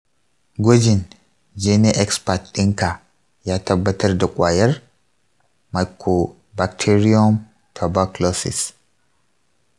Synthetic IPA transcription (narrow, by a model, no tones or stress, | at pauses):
ɡɔd͡ʒɪn | d͡ʒenɛʔɛkspatɪŋka | jat̪ɐbːɐt̪ɐɾd̪ɐkʼwaːjɐɾ | majkʰo | bak̚tʰeɾiɔm | t̪ʰɐbaklɔsḭs